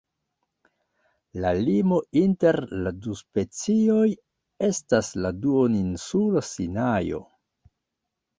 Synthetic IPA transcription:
lalimo̞inte̞ɾladuspe̞t͡sio̞j | e̞stasladuoninsulosinajo̞̰

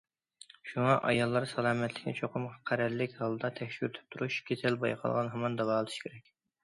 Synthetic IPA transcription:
ʃuŋɑʔɑjɑlˠːɑɾsɑlˠɑːmɛt̪ʰlɪkʲnɪ̰t͡ʃʰoqʰʊmʁʰɑqʰæɾɛlːɪkʲhɑlˠd̪ɑt̪ʰɛkʲʃyɾt̪ʰy̥p̚t̪ʰuɾuʃkʲʰet̪ʰɛlbɑ̰jqʰɑ̰lˠʁɑnɦɑmɑnd̪ɑvɑːlˠɨt̪ʰɨ̥ʃkʲʰeɾɛkʲ

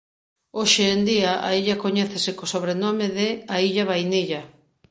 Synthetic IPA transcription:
oʃeːnd̪iaʔa̰iʎɐkoɲɛθesɪkosoβɾenomɪðɪaiʎaβajniʎɐ

